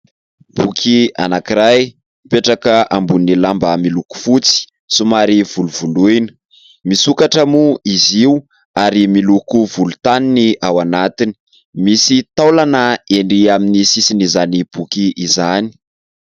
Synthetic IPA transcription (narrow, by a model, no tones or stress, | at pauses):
b̥ukʰia̰nakiɾaj | peʈ͡ʂakəʔambunilambəmiluku̥fut͡si̥ | sumaɾivuluvuluinə̥ | misukaʈ͡ʂəmuiziu | aɾimilukuvulu̥t̪aniniawanat̪ini̥ | misit̪alanaeɳɖ͡ʐiaminisisinizanib̥ukiʔːzani̥